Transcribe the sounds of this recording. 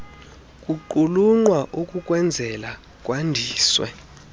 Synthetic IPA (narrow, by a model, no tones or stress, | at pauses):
kʼuǃuluŋ͡ǃwaʔukʼukʼwɛnd͡zʱɛla | kʼwandʱiːswɛ̰